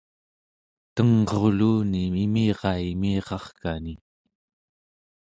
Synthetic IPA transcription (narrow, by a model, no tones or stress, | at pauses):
t̪əŋʁoʁluːniimiːʁɑimiːʁɑχkani